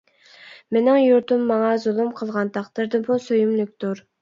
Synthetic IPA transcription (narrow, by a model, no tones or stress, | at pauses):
menɪŋjuɾt̪ɨmːɑŋɑzulˠɨmqʰəlˠʁɑnt̪ʰɑqd̪̥ɨɾd̪ɨbusøjymlyk̚ʲt̪uɾ